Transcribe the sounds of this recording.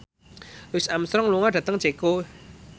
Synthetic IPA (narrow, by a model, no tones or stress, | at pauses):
lwɪsamsɾɔŋluŋaɖ̥ä̤t̪əŋd͡ʒeko